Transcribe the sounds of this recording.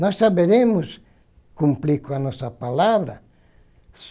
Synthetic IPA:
nɔsːaβeɾẽmʊs | kũmplikoanɔsɐpalaβɾɐ | s

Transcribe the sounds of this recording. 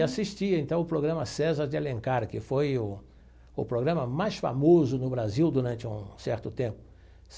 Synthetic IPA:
asiʃt͡ʃiɐẽnt̪ɐ̃w̃ʊpɾoɡɾɐ̃mɐsɛzɐɾd͡ʒɪalẽŋkaɾkɪfojʊ | ʊ̰pɾoɡɾɐ̃mɐmajsfa̰mozʊnʊbɾaziwd̪uɾɐ̃nt͡ʃɪṵ̃sɛɾt̪ʊt̪ẽmpʊ | s

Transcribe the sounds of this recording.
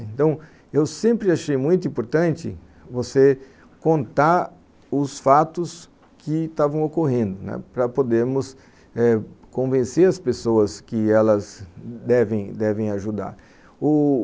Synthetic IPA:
ẽnt̪ɐ̃w̃ | ewsẽmpɾɪaʃejmũj̃t̪ʊĩmpoɾt̪ɐ̃nt͡ʃɪ̰ | vose | kõnt̪aɾ | ʊsfat̪ʊs | kʰɪst̪avɐ̃w̃okoɦẽnd̪ʊnɛ̰pɾɐpod̪eɾmʊs | ɛkõvẽseɾɐspesoɐskɪɛlɐzd̪ɛvẽj̃d̪ɛvẽj̃aʒud̪a̰ɾ | ʊ

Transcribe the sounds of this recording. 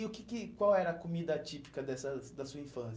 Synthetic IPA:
ʊkɪkɪkwawɛɾɐːkomid̪ɐat͡ʃipi̥kɐd̪ɛsɐd̪ɐsuɐĩfɐ̃sɐ

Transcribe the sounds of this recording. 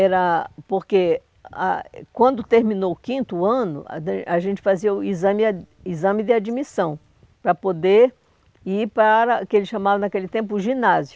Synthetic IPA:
ɛɾɐpoɾke | a̰kwɐ̃nd̪ʊt̪eɾmĩnowkĩnt̪ʊɐ̃nʊ̰a̰aʒẽnt͡ʃɪ̥faziɐʊizɐ̃mɪ | izɐ̃mɪd̪ɪad͡ʒimisɐ̃w̃ | pɾɐpod̪eɾ | iɾpaɾɐkɪelɪʃɐ̃mavɐnakelɪt̪ẽmp̬ʊʒĩnazjʊ

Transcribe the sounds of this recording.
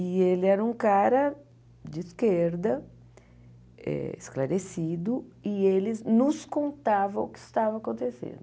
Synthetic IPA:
ielɪɛɾɐũkaɾɐ | d͡ʒɪskeɾd̪ɐ | ɛ̰ḛsklaɾesid̪ʊɪelɪznʊskõnt̪avɐ̃ʊkɪst̪avɐːkõnt̪esḛ̃nd̪ʊ

